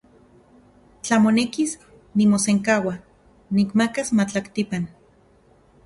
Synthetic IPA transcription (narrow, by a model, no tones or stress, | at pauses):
t͡ɬamonekis | nimoseŋkawa | nikmakasmat͡ɬakt̪ipan